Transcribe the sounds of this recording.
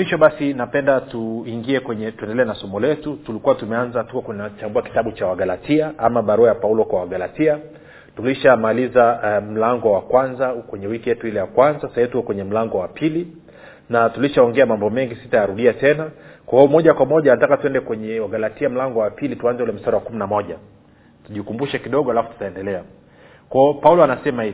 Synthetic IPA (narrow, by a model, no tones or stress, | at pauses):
miʃɔɓasinapɛndatuiŋɡiɛkwɛɲɛtuɛndɛlɛːnasɔmɔlɛtutulikuwatumɛanzatukɔknat͡ʃambuaki̥taɓut͡ʃawaɡalatʰiaʔamaɓaɾuajapaulɔkwawaɡalatia | tuliʃamalizam̩laŋɡɔwakwanzakwɛɲɛwikijɛtuilɛjakwanzasaivitukɔkwɛɲɛm̩laŋɡɔwapʰili | natuliʃaɔŋɡɛamambɔmɛŋɡisi̥tajaɾuɗiatɛnakwahɔɔmɔʄakwamɔʄanatakatuɛndɛkwɛɲɛwaɡalatiam̩laŋɡɔwapilituanzɛulɛm̩staɾawakuminamɔʄa | tuʄikumbuʃɛkiɗɔɠɔalafu̥tu̥taɛndɛlɛa | kwaɔpaulɔanasɛmahiv